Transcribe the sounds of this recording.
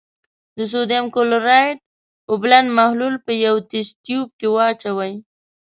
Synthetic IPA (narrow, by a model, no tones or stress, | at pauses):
d̪əs̬od̪emkolɾɑjʈ̚ | oblanmahlulpəjawt̪ɪst̪jub̚kewɑt͡ʃawaj